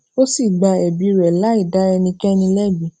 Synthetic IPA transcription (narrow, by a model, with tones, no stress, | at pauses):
o˦si˦˨ɡ͡ba˧ɛ˨bi˨˧ɾɛ˨la˨˦i˦˨da˨˦ɛ˧nĩ˧kɛ˦nĩ˧lɛ˦˨bi˨